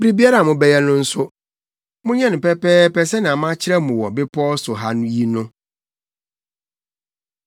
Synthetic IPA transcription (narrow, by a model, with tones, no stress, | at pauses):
bɾi˦bi˦a˦ɾa˨mʊ̃˨bɛ˦jɛ˦nʊ̃˦n̩˦sʊ˦ | mʊ̃˦ɲɛ̃˦nʊ̃˨pɛ˦pɛː˦pɛ˦sɛ˦nɪ̃˨a˨mã˦t͡ɕʰɪ˦ɾɛ˦mũ˨wɔ̰˨bɪ˦pʰɔ˦sʊ˨ɦa˦nʊ̃˦ji˦nʊ̃˦